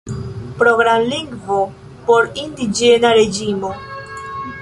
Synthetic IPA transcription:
pɾo̞ɡɾamliŋɡvo̞ | po̞ɾindid͡ʒe̞naɾe̞d͡ʒimo̞

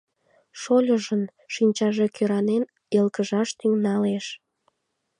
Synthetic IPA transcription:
ʃolʲəʒən | ʃinʲt͡ɕɑʒekʰøɾɑnen | elkəʒɑʃt̪yŋnɑleʃ

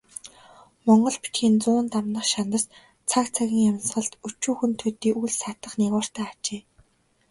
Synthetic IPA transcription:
mɔɴɢɞ̆ɮpi̥t͡ɕxiːnt͡sʊːnt̪amnə̆χʃant̪ə̆s | t͡sʰakt͡sʰaɣʲĭŋjamsχə̆ɮt̪ut͡ɕuːxɘ̆nt̪ʰɵt̪iːʔujɮsat̪ə̆χniɣɔːr̥t̪æːat͡ɕeː

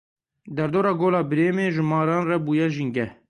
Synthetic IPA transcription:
d̪ɛɾd̪oːɾɑːɡoːlɑːbɨɾeːmeːʒɪmɑːɾɑːnrɛbuːjɛʒiŋɡɛ

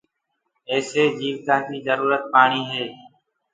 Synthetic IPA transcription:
eːseːd͡ʒiːʋk̪ãːnt̪iːzəɾuːɾət̪̚paːɳiːɦeː

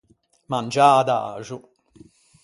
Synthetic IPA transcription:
mand͡ʒaːd̪a̰ːʐʊ

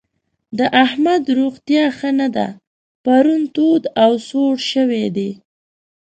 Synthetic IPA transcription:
d̪əʔahmad̪ɾoɣt̪jɑxənad̪a̰ | paɾunt̪od̪awsoɽʃəwed̪e

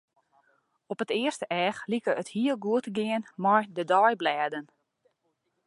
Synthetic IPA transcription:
ɔpətɪərstəʔɛːxlikəəthiəlˠɡuətɡɪənmɔjdədɔjblɛːdən

